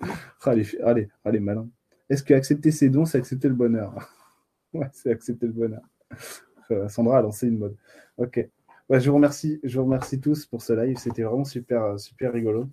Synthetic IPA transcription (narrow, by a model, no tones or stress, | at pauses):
ʁalefaleʁalemalɛ̃ | ɛskəaksɛp̚t̪esed̪ɔ̃seaksɛp̚t̪eləbɔnœʁ | wɛseaksɛp̚t̪eləbɔnœʁ | køɛ̃sɑ̃d̪ʁaːlɑ̃seynmɔd̪ | ɔkʲe | wɛʒəvuʁəmɛʁsiʒəvuʁəmɛʁsit̪uspuʁsəlajvset̪ɛvʁɛmɑ̃sypɛʁøsypɛʁːiɡɔlo